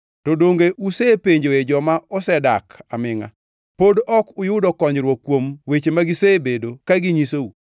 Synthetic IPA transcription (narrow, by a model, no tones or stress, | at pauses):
tɔdoŋɡeʔusepeɲd͡ʒoed͡ʒɔmaɔsɛda̰kamɪŋa̰ | podɔkʊjʊdɔkɔɲd͡ʒɾwokːwomwet͡ʃemaɡɪsebedokaɡiɲisou